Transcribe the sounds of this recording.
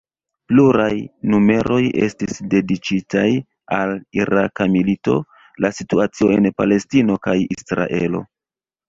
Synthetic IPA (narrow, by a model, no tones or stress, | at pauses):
pluɾajnume̞ɾʔo̞je̞̰stisde̞dit͡ʃitaj | aliɾakamilito̞ | lasituat͡sio̞enpale̞stino̞kajisɾa̰ʔe̞lo̞̰